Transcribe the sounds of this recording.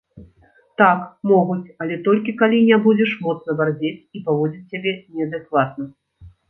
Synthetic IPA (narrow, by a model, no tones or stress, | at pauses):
t̪akmɔɣut͡sʲɐlʲɛt̪ɔlʲkʲikalʲinʲɛbud͡zʲɛʂmɔt̪snɐvarzʲet͡sʲipavɔd͡zʲit͡sʲːabʲɛnʲɛɐd̪ɨkvat̪̚nɐ